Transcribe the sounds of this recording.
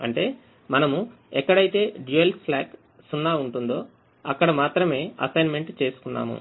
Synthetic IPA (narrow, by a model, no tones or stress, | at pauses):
ɐɳʈe̞ː | mɐnɐmu | ɛkːɐɽɐjt̪e̞ːɖjuelplaːk | sunːaːuɳʈund̪o̞ː | ɐkːɐɽɐmaːt̪ɾɐme̞ːɐ̰sɐjnme̞ɳʈt͡ʃe̞ːsu̥kunːa̰ːmṵ